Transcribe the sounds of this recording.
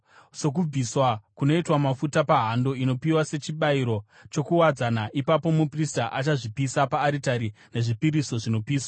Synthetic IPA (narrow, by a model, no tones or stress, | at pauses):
so̞k̬ub͡viswakuno̞itwamafutapaɦando̞ino̞piwase̞t͡ʃiɓaiɾo̞ | t͡ʃo̞kuwad͡zanaʔipapo̞mupristaʔat͡ʃaʐipisapaːɾitaɾi | ne̞ʐipiɾiso̞ʐino̞piːswa